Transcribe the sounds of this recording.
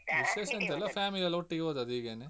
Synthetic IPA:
ʋiseːsɐnt̪ɛlːɐfʰjaːmiliɐloʈːiɡʋoːd̪ɐd̪iɡeːne

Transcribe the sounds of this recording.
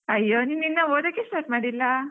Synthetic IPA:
ɐjːoːninːinːɐoːd̪ɐkːesʈaɾʈmaːɽilːɐ

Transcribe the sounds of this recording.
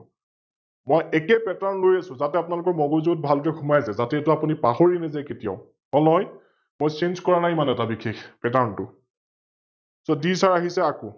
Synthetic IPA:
mɔjɛkɛpɛtaɹnlojasʊ̃zatɛapʊnalʊkɔɹmɔɡozoɡɔt̚bʱalkɛxʰumajsɛzatɛːtʊapunipaxoɹinɛzaketija̰ʊ | ɔnɔj | mojsenzkɔɹanajmanɛɛtabikʰːexpɛtaɹntʊ | sɔdisaɹaɦisɛako

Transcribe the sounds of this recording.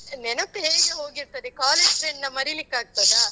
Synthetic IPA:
nɛnɐkːeːɡeɦoːɡiɾt̪ɐd̪ekaːleːd͡ʒʈɾeːɳɖnɐmɐɾilikːaːɡ̚t̪ɐd̪a

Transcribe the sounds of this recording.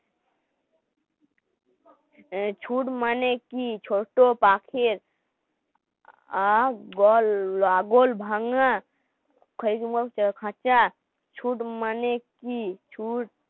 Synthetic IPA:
t͡ʃʰuʈmanekit͡ʃʰoʈopakʰeɾ | aɡɔllaɡolbʱaŋa | kʰəikumɡat͡ʃəkʰãt͡ʃa | t͡ʃʰuʈmanekit͡ʃʰuʈ

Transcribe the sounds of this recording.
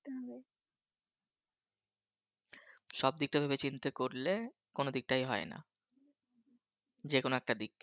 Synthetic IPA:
t̪ɦbe | ʃɔb̚d̪ik̚ʈabʱebet͡ɕint̪ekoɾle | konod̪ik̚ʈajɦɔena̰ | d͡ʑekonoɛk̚ʈad̪ik̚

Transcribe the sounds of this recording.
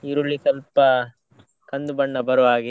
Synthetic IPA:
iɾuɭːikɐlpɐ | kɐnd̪ubɐɳːɐbɐɾʋaːɡi

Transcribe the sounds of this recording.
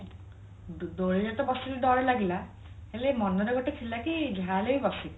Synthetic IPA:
d̪oɾed͡ʑat̪obɔsiliɖɔɾelaɡila | helemɔnːɔɾeɡoʈekʰilakid͡ʒʱalejbɔsi

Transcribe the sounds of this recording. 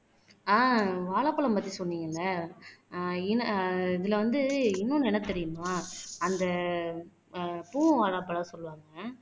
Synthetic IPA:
aːʋaːɭaːpːɐɭɐmpɐt̪ːisɔnːiːŋɡɐɪlːɐ | ɪnɐɪðɪlɐʋɐnd̪ɯɪnːʊ̃nɛnɐt̪ːɛɾɪjɯnːʊaːɐnd̪ɐ | puːʋaːɭaːpːɐɭaːsɔlːɯʋaːŋɡɐ

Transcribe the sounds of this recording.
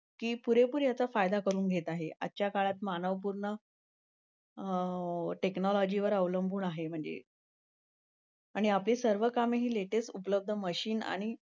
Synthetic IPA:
kiːpuɾepuːɾjat͡safajd̪akəɾuːnɡʱet̪aɦea̰ːt͡ɕjakaɭat̪manəʋəp̬uɾɳə | ʈeknɔlɔd͡ʑiʋəɾəʋləmbʱuːnaɦem̤əɳd͡zḛ | aɽ̃iapliːsəɾʋəkameɦiːleʈesʈupələb̚d̪ʱəməɕiːna̰ɽ̃i

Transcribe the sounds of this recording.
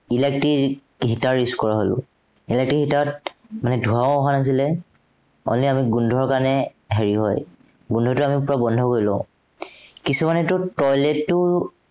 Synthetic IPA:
ilek̚ti | ɦitaɹiskɔɹaɦolʊ̰̃ | ilek̚tiɦitat̚manɛdʱuãɔɦanas̬ilɛ | ɔ̰nliamiɡundʱɔɹkanɛ | ɦeɹiɦɔ̰j | ɡundʱɔtʊamipɹabɔndʱɔkoɹilɔ̰̃ʊ̃ | kisumanɛtʊtɔjletːʊ

